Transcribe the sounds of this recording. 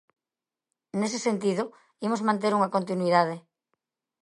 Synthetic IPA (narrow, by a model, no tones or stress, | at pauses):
nes̬esent̪ið̞o | imozmãnt̪̬eɾuŋɐkont̪inuiðað̞ɪ